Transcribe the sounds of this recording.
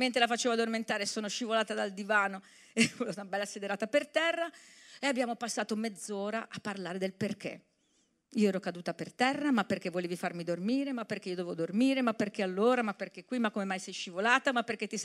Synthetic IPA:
ment̪ɾelafat͡ʃeːvoad̪orment̪aːɾesːoːnoʃivolaːt̪ad̪ald̪ivaːno | elot̪abɛlːased̪eɾaːt̪apert̪ɛrːaeabːjaːmopasːaːt̪omed̪zoːɾaʔapːarlaːɾed̪elperk̟ḛ | iːoɛːɾokad̪uːt̪apert̪ɛrːamapːerk̟evːoleːvifarmid̪ormiːɾemapːerk̟eiod̪evod̪ormiːɾemapːerk̟ealːoːɾamapːerk̟ekːwimakːomemajsɛjʃivolaːt̪amapːerk̟et̪ːi

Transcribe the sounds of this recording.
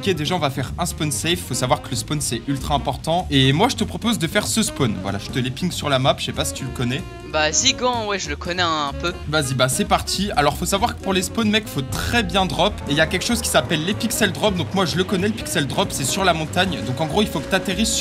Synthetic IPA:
ɔkʲed̪eʒaɔ̃vafɛʁɛ̃spɔnsɛjffosavwaʁkələspɔnsɛʔylt̪χaɛ̃pɔʁt̪ɑ̃emwaʒət̪əpχɔpozd̪əfɛʁsəspɔnvwa̰la̰ʒ̥ət̪əlepiŋɡsyʁlamapʒsɛpasi̥t̪yləkɔnɛ | baziɡɑ̃wɛʒələkʰɔnɛɛ̃pøbazibasɛpaʁt̪ʰialɔʁfosavwaʁkə̥puʁlespɔnmɛkfot̪χɛbjɛ̃d̪ʁɔpeiljakʲɛlkʃozkʲi̥sapɛlːepiksɛld̪ʁɔp̚d̪ɔ̃kmwaʒələkɔnɛləpi̥ksɛld̪ʁɔpsɛsyʁlamɔ̃t̪aɲd̪ɔ̃kɑ̃ɡʁoilfokə̥t̪at̪eʁiz

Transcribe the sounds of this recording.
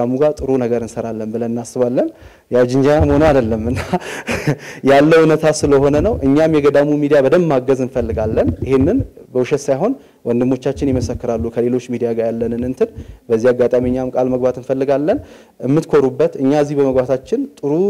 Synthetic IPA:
amuɡat̪ʼɨɾunəɡəɾɨnsəɾalːənbɨlənnːasːɨβalːən | jad͡ʒɪnd͡ʒanamho̞nəwad̪əlːəmɨnːa | jalːəwnət̪ʰasɨləho̞nənəwʔɨɲːamjɛɡəd̪amumid̪ijabəd̪əmːaɡːəzɨnfəlːɨɡalːənjɪhenːɨnbəwuʃɛt̪sajɦo̞n | wʔɔnd̪ɨmːo̞t͡ʃːat͡ʃːɪnjɪɛməsəkːɨɾalːukʰəle̞lo̞t͡ʃːmid̪ijaɡajalːənɨnɨnt̪ʰɨnbəzːihaɡːat̪ʼamɨɲːamkʼalməɡbat̪ɨnfəlːɨɡalːən | ɨmːɨt̪kʰo̞ɾubːət̪ɨɲːaəzːihbəməɡbat̪ʰat͡ʃːɪnt̪ʼɨɾu

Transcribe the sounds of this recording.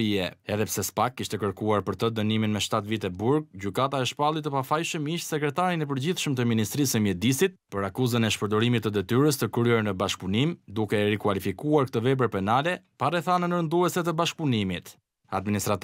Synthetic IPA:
iɛɛðɛpsɛspakːiʃt̪ɛkəɾkuaɾpəɾt̪əd̪əniminmɛʃt̪at̪vit̪ɛbuɾɡ̚ɟykat̪aɛʃpalˠit̪̬ːəpafajʃəmiʃt̪sɛkɾɛt̪aɾinɛp̬əɾd͡ʑiθʃəmt̪əminist̪ɾisəmjɛd̪isit̪̚pəɾakuzənɛʃpəɾd̪ɔɾimit̪ːəd̪ɛt̪yɾəst̪əkɾɛɾnəbaʃk̚punimd̪ukɛrikwalifikuaɾk̚t̪əvɛbəɾpɛnalɛpaɾɛθanənəɾənd̪uɛsɛt̪̬əbaʃk̚punimit̪ | ad̪̚minist̪ɾat̪

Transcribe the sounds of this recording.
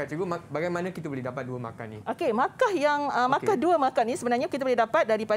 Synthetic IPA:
at͡ʃuɡumabaɡajmanãkit̪aboledapat̪̚duəma̰ka̰niʔokemãkahjaŋəmãkahduəmãkanĩsəbənarɲakit̪abolehdapat̪̚daɾipa

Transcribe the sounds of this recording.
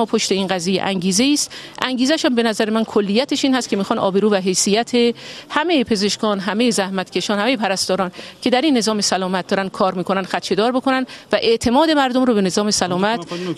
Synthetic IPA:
ɒːpʰoʃt̪e̞iːnɢæzijḛʔæŋɟiːze̞iːst̪ʔæŋɟiːzæʃæmbe̞næzæɾemænkʰolːijːæt̪ʰeʃiːnhæst̪kcʰe̞miːxɒːnɒːbe̞ɾuːvæɦe̞jsijæt̪ʰehæme̞jepʰe̞ze̞ʃkɒːnɦæme̞jezæhmæt̪ʰcʰe̞ʃɒːnhæmejepʰæɾæst̪ɒːɾɒːncʰe̞d̪æɾinːe̞zɒːmesælɒːmæt̪̚d̪ɒːɾænd̪̥̚kʰɒːɾmiːkʰo̞nænd̥̪xæt̪t͡ʃʰe̞d̪ɒːɾbo̞kʰonænd̪væʔe̞ʔt̪ʰe̞mɒːd̪e̞mæɾd̪omɾobe̞ne̞zɒːme̞sælɒːmæt̪

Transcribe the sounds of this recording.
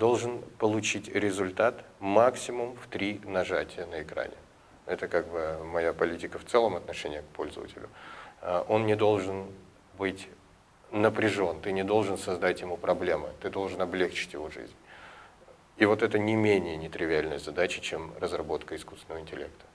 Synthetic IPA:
d̪o̞lˠʐɨnpəlˠʊt͡ɕitʲɾʲɪzʊlʲt̪at̪maksʲɪmʊmft̪ɾʲinɐʐatʲɪjənəɪkɾa̰nʲɪ̰ | ɛt̪əkaɡ̚bɨmɐjapɐlʲitʲɪkəft̪sɛlˠəmɐt̪nɐʂɛnʲɪjək̚pʰo̞lʲzə̰və̰tʲɪlʲʊ̰əʔo̞nnʲɪd̪o̞lˠʐɨn | bɨtʲ | nəpɾʲɪʐo̞nt̪ɨnʲɪd̪o̞lˠʐɨnsɐzd̪atʲjɪmupɾɐblʲe̞mɨ̰t̪ɨd̪o̞lˠʐɨnɐblʲext͡ɕɪ̥tʲjɪvo̞ʐɨ̰zʲnʲ | ivo̞t̪ɛt̪ənʲɪmʲenʲɪjənʲɪt̪ɾʲɪvʲɪalʲnəjəzɐd̪at͡ɕɪ̥t͡ɕemrəzrɐbo̞t̪kəɪskust̪ʲɪnəvəɪnʲtʲɪlʲe̞̰k̚t̪ə̥

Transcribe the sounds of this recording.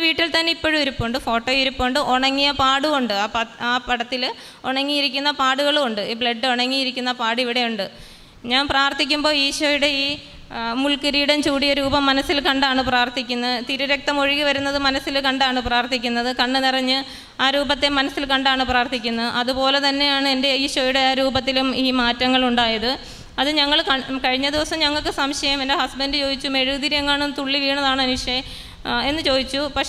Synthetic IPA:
ʋiːʈːilt̪ɐnːeipːoɻuiɾupːoːɳɖɨfo̞ːʈːoːjiɾupːoːɳɖɨʔoɳɐŋːijɐpaːɽuuɳɖɨaɐaːpɐɽɐt̪ːil | oɳɐŋːijiɾikʲːunːɐpaːɽuɣɐɭoɳɖɨiːbɭɐɖːɨoɳɐŋːijiɾikʲːunːɐpaːɽiʋiɽe̞juɳɖɨ | ɲaːnpraːrt̪ːikʲːumbo̞ːiːɕoːjuɽe̞iː | muɭkɨɾijuɽet͡ɕuːɽijɐɾuːbɐmːɐnɐsːilkɐɳɖaːɳɨpraːrt̪ikʲːunːɐt̪iɾuɾɐk̚t̪ɐmo̞ɻiɣiʋɐɾunːɐðɨmɐnɐsilkɐɳɖaːɳɨpraːrt̪ʰikʲːunːɐðɨkɐɳːɨnirɐɲːɨ | aːɾuːbɐt̪ːemɐnɐsilkɐɳɖaːɳɨpraːrt̪ʰikʲːunːɐʔɐðupo̞ːle̞t̪ɐnːe̞jaːɳɨende̞ɐjʂojuɽe̞ɾuːbɐt̪ːilumiːmaːtːɐŋːɐɭuɳɖaːjɐðɨ | ɐðɨɲɐŋːɐɭkɐkɐɻiɲːɐd̪iʋɐsɐmɲɐŋːɐɭkːɨsɐmɕjɐjɐmendehɐsbɐndɨt͡ɕo̞ːd̪it͡ɕːume̞ɻud̪iɾjɐŋːaːɳɨt̪uɭːiʋiːɳɐðaːɳɨɐnuʂjɐjɐm | e̞nːɨt͡ɕo̞ːd̪it͡ɕːupɐkʂ

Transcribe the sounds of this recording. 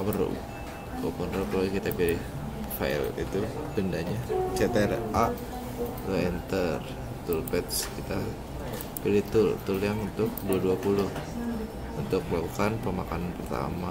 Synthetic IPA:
amənṵ | bopʊnroplokit̪apilɪh | fa̰ɛ̰lḭt̪ubəndaɲat͡ʃet̪eɛrʔa | loɛnt̪ər | t̪ʊlpɛt̪skit̪a | pilɪht̪ʊlt̪ʊljaŋunt̪ʊk̚duaduapulʊh | unt̪ʊk̚lakukanpəmakananpərt̪a̰ma

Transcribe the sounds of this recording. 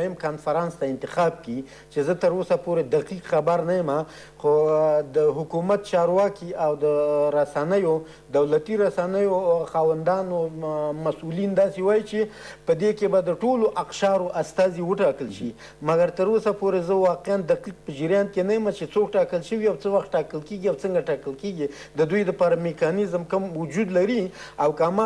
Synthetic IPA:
jɪmkɑnfaɾɑnst̪aɪnt̪ɪxɑb̚ki | t͡ʃezət̪əɾosapoɾed̪aqiqxabaɾnajəma | xod̪əɦʊkumat̪̚t͡ʃɑɾwɑkiawd̪əɾasanəjo | d̪awlat̪iɾasanəjoxɑwand̪ɑnomasulind̪ɑsewɑjit͡ʃepəd̪ekebad̪əʈoloʔaqʃɑɾoʔast̪ɑziwəʈɑkəlʃi | maɡaɾt̪əɾosapoɾezəwɑqeand̪axlik̚pəd͡ʒɪɾjɑnt̪̚kenajəmat͡ʃet͡sokʈɑkəlʃəwiawt͡səwaxt̪̚ʈɑkəlkeɡiawt͡səŋɡaʈɑkəlkeɡi | d̪əd̪ujd̪əpɑɾamekɑnɪzmkəmwʊd͡ʒud̪laɾiawkamɑ

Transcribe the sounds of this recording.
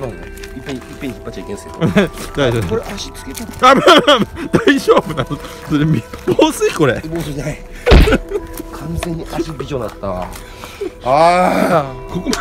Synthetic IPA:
ãe | ipːẽipːẽçi̥pːat͡ɕit͡ɕaikẽsɨke̥ned̪aiʑokoɾeʔaɕi̥t͡sɨ̥ket̪aamamamd̪aiʑo̞ːbɯna | soɾemʲiboːsɨiko̞ɾeboːs̬ɨnai | kʰãnd͡ze̞ɲ̟ːiaɕibʲiʑõnd̪at̪ːa | a | kʰokom

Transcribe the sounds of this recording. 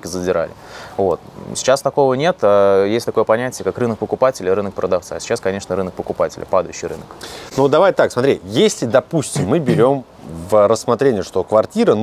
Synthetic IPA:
kʲɪzədʲɪɾa̰lʲɪ̰ | vot̪̚sʲɪ̥t͡ɕast̪ɐko̞vənʲe̞t̪ajesʲtʲt̪ɐkojəpɐnʲætʲɪjəkakrɨnək̚pəkʊpatʲɪlʲɪɾɨnək̚pɾəd̪ɐft̪sa̰sʲɪ̥t͡ɕaskɐnʲe̞ʂnəɾɨnək̚pəkʊpatʲɪlʲɪ̰pad̪əjʉɕːɪjɾɨnəknud̪ɐvajt̪aksmɐt̪ɾʲijesʲlʲɪd̪ɐpusʲtʲɪmːɨbʲɪɾʲo̞m | vrəsːmɐt̪ɾʲenʲɪjəʂt̪o̞kvɐrtʲiɾən

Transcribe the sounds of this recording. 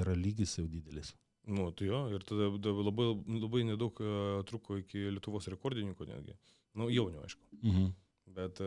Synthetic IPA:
iɾɐlʲiːɡʲɪsjɛʊd̪ʲiːd̪ʲɛlʲɪs | nʊt̪ɐjoːɪɾt̪ɐd̪ɐd̪ɐlˠɐbɐɪlˠɐbɐɪnʲɛd̪ɐʊkt̪ɾuːkoːɪkʲɪlʲɛt̪ʊʋoːsɾʲɛkoːrʲɾd̪ʲɪnʲɪ̃ŋkoːnʲæ̰ːd̪ʲɡʲɪ̰ | nʊjɛʊnʲʊːɐ̰ɪʃkʊ̥ɦ̩ | bʲɛt̪

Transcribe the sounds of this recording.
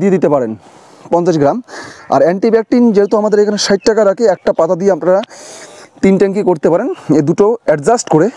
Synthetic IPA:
d̪ied̪it̪epaɾen | pɔnt͡ɕaʃɡɾama̰ɾɛɳʈibɛk̚ʈind͡ʑet̪oamad̪eɾekʰaneʃajt̪ʈakaɾakeɛk̚ʈapat̪ad̪ieapnaɾa | t̪inʈɛŋkikoɾt̪epaɾened̪uʈoɛʈd͡ʑasʈkoɾe

